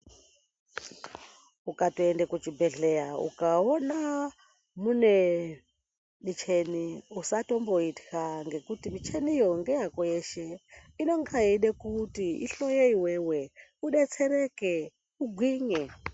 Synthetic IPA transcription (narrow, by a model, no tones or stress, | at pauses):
ukatoendekut͡ʃibʱeɮejaṵkaona | mune | mit͡ʃʰeniusatomboiti̥kaŋɡe̞kutimit͡ʃenijoŋɡejakoeʃeino̞ŋɡaiɗekutiḭɬojeiweweuɗet͡seɾeke | uɡʱwiɲe